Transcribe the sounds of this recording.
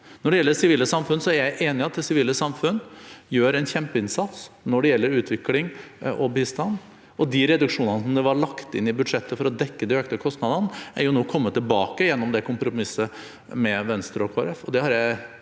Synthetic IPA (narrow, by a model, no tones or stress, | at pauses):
nɔɖɛjɛlːəsɪʋiːləsɑmfʉnːəsɔæɾjæɪʔeːnɪɑt̪̚d̪ɛsɪʋiːləsɑmfʉnjøːɾɛnçɛmpəɪnsɑt̪s | nɔɖɛjɛlːəɾʉːt̪ʰʋɪklɪŋʔɔbiːst̪ɑnː | ɔd̪ɪɾɛd̪ʉkʂuːnənəsməd̪ɛʋɑɭɑkt̪ɪnːɪbʉd̪ʂɛt̪ːəfɔɾɔd̪ɛkːəd̪ɪøːk̚t̪əkʰɔst̪nɑd̪ənæɾjʊnuːkʰɔmːət̪ʰːɪlbɑːkəjɛnːɔmd̪ɛkʰʊmpɾʊmɪsə | mɛʋɛnst̪ɾəɔkʰoːɾɛfɔd̪ɛhɑɾjæɪ